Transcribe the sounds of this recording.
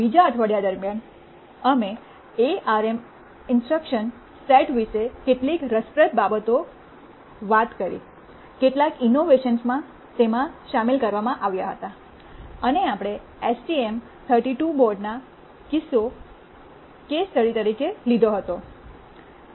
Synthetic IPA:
bid͡ʒaət̪ʰʋəɽjad̪əɾmjan | əme | eaɾem | ɪnsʈɾəkʃən | sɛʈʋisekeʈlikɾəspɾət̪̚babət̪o | ʋat̪kəɾḭ | keʈlakinoʋeʃənsmã | t̪emãʃamilkəɾʋamãʔaʋjaɦə̰t̪a | əneapɽ̃e | esʈiem | t̪ʰəɾʈiʈubɔɾɖna | kɪso | kest̪əɽit̪əɾikelid̪ʱoɦət̪o

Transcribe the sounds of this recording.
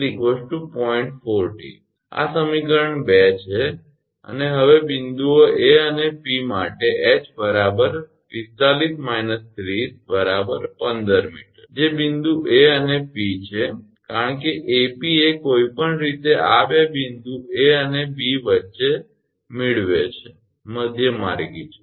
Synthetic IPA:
ɾikʋəsʈupɔiɳʈfoɾʈḭ | a̰səmikəɾəɳbet͡ʃʰe | ə̰neɦəʋebind̪uoʔeənepimaʈeʔet͡ʃbəɾabəɾ | ist̪alismainəst̪ɾisbəɾabəɾpənd̪əɾmḭʈəɾd͡ʒebind̪uʔeənepit͡ʃʰe | kaɾəɳkeʔepiekoipəɳɾit̪eʔabebind̪ueənebiʋətːʃe | mɪɭʋet͡ʃʰe | məd̪ʱjəma̰ɾɡit͡ʃʰe̥

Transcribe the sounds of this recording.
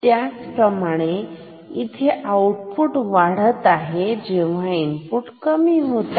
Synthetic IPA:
t̪jat͡spɾəmaɽ̃e | it̪ʰeʔawʈpuʈʋaɽ̤ət̪aɦed͡ʑeʋ̤ainpuʈkəmiːɦot̪a

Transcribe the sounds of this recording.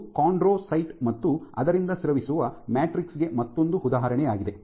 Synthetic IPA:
kaːɳɖɾoːsɐjʈmɐt̪ːuɐ̰d̪ɐɾind̪ɐsɾɐʋisuʋɐmaːʈɾiksɡe̞mɐt̪ːo̞nd̪uud̪aːɦɐɾɐɳɛjaːɡid̪e̞

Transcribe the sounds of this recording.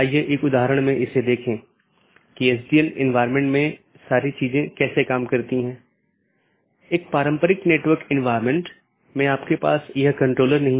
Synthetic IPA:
aːjeʔeːkʊd̪aːɦɾəɽ̃mẽʔɪsed̪eːkʰẽ | kiɛs̬diːənɪ̰̃nʋaːɪɾmẽɳʈmẽ | saːɾit͡ʃiːzẽkɛːsekaːmkɐɾt̪iɦɛ̃ː | eːk̚paːɾə̃mpəɾɪkneːʈʋəɾkɪ̃nʋaːɪɾmẽɳʈ | mɛ̃aːpkepa̰ːsjɐɦkɐ̃ɳʈɾoːləɾnɐɦĩ

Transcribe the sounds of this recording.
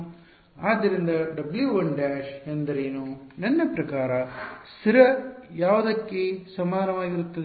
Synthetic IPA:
aːd̪ːɐɾind̪ɐɖɐbljuʋɐɳɖaːʃend̪ɐɾeːnunɐnːɐpɾɐkaːɾɐsiɾɐjaːʋɐd̪ɐkːesɐmaːnɐʋaːɡiɾut̪ːɐd̪

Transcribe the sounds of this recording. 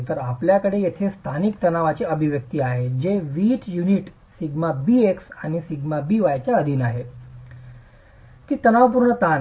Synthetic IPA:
t̪əɾapljakəɽejet̪ʰest̪ʰanikt̪ənaʋat͡ɕeəbʱiʋjək̚t̪iːaɦed͡ʑeʋiːʈjuniʈ | siɡmabiːeksaɽ̃isiɡmabiːʋajt͡ɕjaəd̪ʱiːnaɦe | t̪iːt̪ənaʋp̬uɾɳət̪an

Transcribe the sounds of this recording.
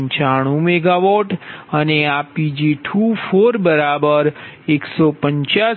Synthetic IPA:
ɲt͡ʃaɽ̃ũmeɡaʋɔʈəneapid͡ʒiʈʰufoɾbəɾabəɾeksopəɲt͡ʃa

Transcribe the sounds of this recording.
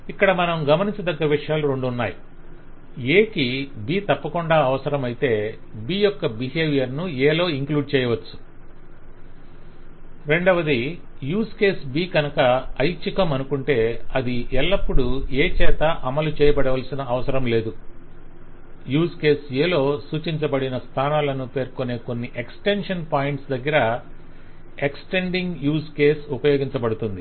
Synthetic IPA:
ikːɐɽɐmɐnɐmɡɐmɐniɲt͡ʃɐd̪ɐɡːɐɾɐʋiʂɐjaːluɾe̞ɳɖuunːaːji | eːkibiːt̪ɐpːɐkuɳɖaːɐʋɐsɐɾɐmɐjit̪e̞ːbiːjɔkːɐbiɦeːʋijɐɾnueːlo̞ːiŋkluːɖ̚t͡ʃɛːjɐʋɐt͡ʃːu̥ | ɾe̞ɳɖɐʋɐd̪i | juːske̞ːsbiːɡɐnɐkɐɐjt͡ʃikɐmɐnukuɳʈe̞ːɐd̪iʔɛlːɐpːuɽue̞ːt͡ʃɛːt̪ɐʔɐmɐlut͡ʃɛːjɐbɐɽɐʋɐlsinɐɐʋɐsɐɾɐmle̞ːd̪u | juːske̞ːseːlo̞ːsuːt͡ʃiɲt͡ʃɐbɐɽinɐst̪ʰaːnaːlɐnupe̞ːɾko̞ne̞ːko̞nːiʔeksʈe̞nʂɐnpaːjɳʈsd̪ɐɡːɐɾɐ | eksʈe̞ɳɖiŋɡjuːske̞ːsupɐjoːɡiɲt͡ʃɐbɐɽut̪und̪i

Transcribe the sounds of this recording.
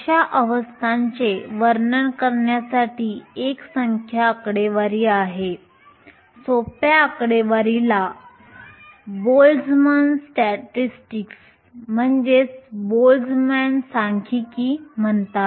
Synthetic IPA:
ɕaʔəʋəst̪ʰaɲt͡ɕeʋəɾnəɳkəɾɳjasaʈiːeksəŋkʰjaːkɽeʋaɾiːaɦe | sopjaːkɽeʋaɾila | bold͡zmənsʈɛʈisʈiks | m̤əɳd͡ʑesbold͡zmænsaŋkʰikiːm̤əɳt̪at̪

